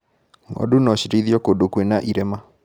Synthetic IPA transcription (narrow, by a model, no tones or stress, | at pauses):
ŋɔ̰dunɔɕiɾiðjɔkodokwenaʔiɾɛma